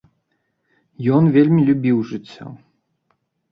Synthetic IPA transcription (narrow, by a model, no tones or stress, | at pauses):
jɔnvʲelʲmʲilʲubʲiwʐɨt͡sʲːɔ̰